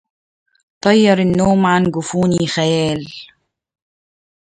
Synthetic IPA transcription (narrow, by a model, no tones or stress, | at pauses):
t̪ˤɑjːɑɾˤɪnːoːmʕanɡʊfuːnixæjæːl